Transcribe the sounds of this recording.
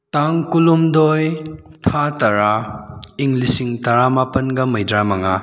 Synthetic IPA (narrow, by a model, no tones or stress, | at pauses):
taŋkulumdojtʰatɐɾaiŋlisiŋtɐɾamapɐnɡɐmɐjdɾamɐŋa